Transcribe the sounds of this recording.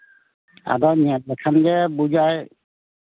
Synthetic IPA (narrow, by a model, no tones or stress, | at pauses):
a̰dɔniɛt̚ːɛkʰanɡɛbud͡ʒaj